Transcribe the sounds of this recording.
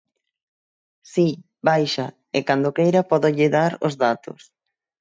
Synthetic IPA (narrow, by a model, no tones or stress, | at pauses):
si | bajʃa | ekand̪okejɾapɔðoʎɪðaɾo̰zðat̪o̰s